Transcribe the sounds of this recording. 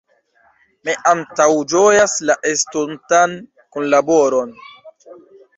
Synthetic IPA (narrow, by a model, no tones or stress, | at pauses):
miʔantawd͡ʒojaslaʔestuntan | kunlaboɾon